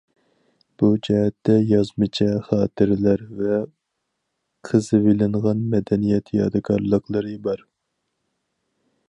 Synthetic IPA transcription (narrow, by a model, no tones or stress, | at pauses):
b̥ud͡ʒɛɦɛt̪ːɛjɑzmɨt͡ʃʰɛχɑːt̪ʰɨɾlæɾvɛ | qʰəzɨvelɪɴʁɑnmɛd̪ɛnijɛt̪ʰjɑd̪ɨkʰɑɾlˠəqlˠəɾɨbɑɾ